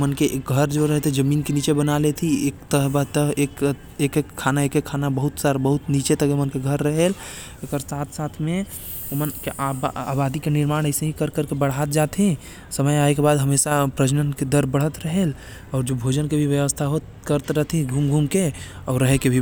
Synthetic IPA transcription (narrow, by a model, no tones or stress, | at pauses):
mənkeʔkɡʱəɾd͡ʒoɾəɦet̪ʰed͡ʒəmiːnkenit͡ʃebənalet̪ʰiekt̪əɦbat̪əɦek | ekekʰːanaekekʰanabəɦut̪saɾbəɦut̪nit͡ʃet̪əkemənkeɡʱəɾːəɦel | ekəɾsat̪ʰsat̪ʰme | omənkeʔaa̰bad̪ikeniɾmaɽ̃əɪseɦĩkəɾkəɾkebəɽ̤at̪̚d͡ʒat̪ʰɦĩ | səməjaekebad̪ɦəmesapɾəd͡ʒnənked̪əɾbəɽ̤ɦət̪ɾəɦel | ɔːɾd͡ʒobʱod͡ʒənkebʱiʋjəʋəst̪ʰaɦo | kəɾt̪ɾəɦt̪ʰĩɡʱumɡʱumke | ɔːɾːəɦekebʱi